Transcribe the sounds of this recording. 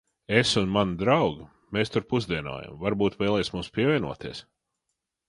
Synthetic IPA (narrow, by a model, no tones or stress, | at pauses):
esunmand̪ɾawɡ | meːst̪uɾpuzd̪iɛno̰ːja̰mvaɾbuːt̪vɛːlˠɛjsmumspʲiɛvʲiɛnuɔt̪iɛs